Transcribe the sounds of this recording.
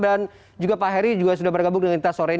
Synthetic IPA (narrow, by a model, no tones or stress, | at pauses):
dan | d͡ʒuɡapaɦɛɾid͡ʒuɡas̬udahbərɡabʊŋdəŋanit̪asoɾɛi